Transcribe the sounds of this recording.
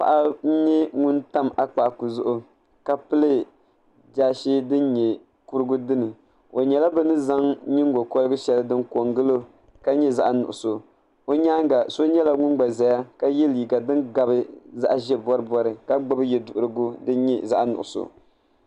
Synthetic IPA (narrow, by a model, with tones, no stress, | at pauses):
pa̰˨ʔa˦n̩˦ɲɛ˦ŋu˦nta˦ma˦k͡paː˨ku˨zʊ˦ʔʊ˨ | ka˦pɨ˦lɨ˦ | d͡ʒaː˦ʃi˦dɨ˦n˦ɲɛ˨ | ku˦ɾɨ˦ɡʊ˦dɨ˦nɨ˨ | o˨ɲɛ˨la˦bɛ˦nɨ˦za˦ŋɲɨ˦ŋ˦ɡo˨ko˦lɨ˦ɡɨ˦ʃɛ˦lɨ˦dɨ˦nko˨ŋɡɨ˦lo˦ | ka˦ɲɛ˦za˦ʔnʊ̰˨ʔʊ˨so˨ | o˦ɲaː˦ŋɡa˨so˦ɲɛ˦la˦ŋʊ˦nɡ͡ba˨zɛ˨ja˦ka˦jɛ˦liː˨ɡa˨dɨ˦nɡa˨bɨ˦za̰˦ʔa˨ʒɛ˦bɔ˦ɾɨ˦bɔ˦ɾɨ˨ka˦ɡ͡ba˦bɨ˦jɛ˨dʊ˨ʔʊ˨ɾɨ˨ɡʊ˦dɨ˦n˦ɲɛ˦za˦ʔnʊ̰˨ʔʊ̰˨so̰˨